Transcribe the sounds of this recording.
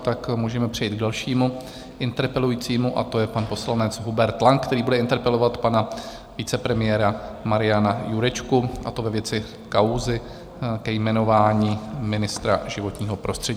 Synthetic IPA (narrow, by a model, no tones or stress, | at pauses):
t̪akmuːʒɛmɛpr̥ɛjiːd̪̚ɡ̚dalʃiːmu | ʔɪnt̪ɛɾpɛlujiːt͡siːmuʔa̰t̪o̞jɛpanpo̞slanɛt͡sɦubɛɾt̪ːlaŋkt̪ɛɾiːbudɛʔɪnt̪ɛɾpɛlo̞vat̪pana | vɪt͡sɛpɾɛmɪjɛːɾamaɾɪjanajuɾɛt͡ʃkuʔa̰t̪o̞vɛvjɛt͡sɪ | kawzɪ | kɛjmɛno̞vaːɲiːmɪnɪst̪ɾa̰ʒɪvo̞t̪ɲiːɦo̞pɾʔo̞st̪r̥ɛɟiː